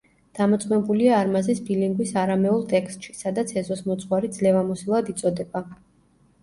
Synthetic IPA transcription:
d̪̥amɔt̪sʼmɛbuliaːɾmazisbiliŋɡwisaɾamɛulˠt̪ʼɛkst̪ʼʃi̥sad̪at̪sʰɛzɔsmɔt̪sʼχwaɾid̪zlɛvamɔsilˠad̪it̪sʼɔd̪ɛba

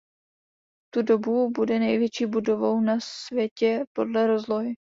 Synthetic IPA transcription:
t̪udo̞bubudɛnɛjvjɛt͡ʃiːbudo̞vo̞wnasvjɛcɛpo̞dlɛɾo̞zlo̞jɪ

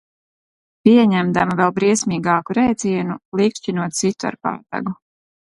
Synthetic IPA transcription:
piɛɲæmd̪amavɛlˠbɾiɛsmiːɡaːkuɾɛjt̪ziɛnulˠikʃt͡ʃinuɔt̪sit̪ua̰ɾpa̰ːt̪a̰ɡu

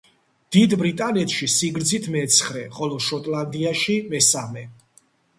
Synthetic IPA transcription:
d̪̥id̪bɾit̪ʼanɛt̪ʰʃisiɡɾd̪zit̪ʰmɛt̪sʰχɾɛχɔlɔʃɔt̪ʼland̪iaʃimɛsamɛ

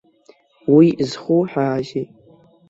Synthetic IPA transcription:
wiʔzχuħaːʒi

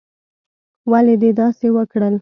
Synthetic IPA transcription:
waled̪ed̪ɑsewəkɽəl

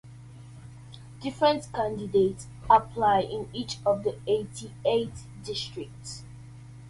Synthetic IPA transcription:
d̥ɪfɹə̃ntkãndidets | əpʰlaɪʔɪ̃nit͡ʃɔvðietʰiet | dɪstɹɪk̚ts

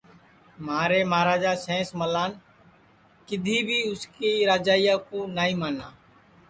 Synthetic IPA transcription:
maːɾeːmaːɾaːd͡ʒaːsẽːsməlaːn | kɪd̪ʱiːbʱiːʊskiːɾaːd͡ʒaːɪjaːkoːnaːĩːmaːna̰ː

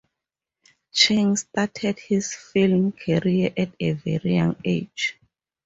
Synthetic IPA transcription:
t͡ʃʰẽŋstatʰɛdhisfilmkʰɛɹiaʔɛtʰevɛ̰ɹijã̰ŋed͡ʒ

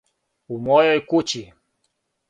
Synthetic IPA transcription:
umɔjɔjkut͡ʃi

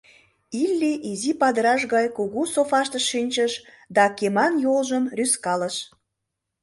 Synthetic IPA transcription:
ilʲːiʔizipɑd̪əɾɑʃ̬ɣɑjkuɣusofɑʃt̪əʃːinʲt͡ɕəʃ | d̪ɑkemɑnjolʒəmryskɑləʃ

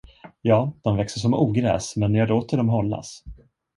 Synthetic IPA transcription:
jɑːd̪̥ɔmvɛksəʂɔmuːɡɾɛ̰ːsmɛnjaɡloːt̪əɖɔmɦɔlːa̰s

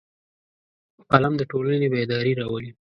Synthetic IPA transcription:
palamd̪əʈolanebed̪ɑɾiɾɑwəli

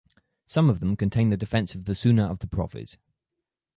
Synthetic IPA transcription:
sʌ̃məvðə̃mkʰə̃ntʰẽɪ̃nðədɪfɛ̃nsəvðəsʉːnəɹəvðəpʰɹ̥ɒ̰fɪ̰t

